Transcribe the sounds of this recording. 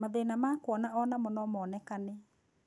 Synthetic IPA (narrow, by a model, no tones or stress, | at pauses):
maðenamakwɔnaɔnamɔnɔmɔːnɛkane